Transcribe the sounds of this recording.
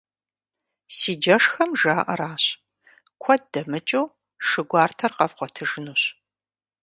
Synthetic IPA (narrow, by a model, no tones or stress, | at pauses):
siːd͡ʒɐʂxɐmʒaːʔɐ̰ɾaːɕ | kʷʰɔd̚d̥ɐmɨt͡ʃʼɐw | ʂɨɡʷɑːrtʰɐrqɐvqʷɔtʰɨʒɨnuːɕ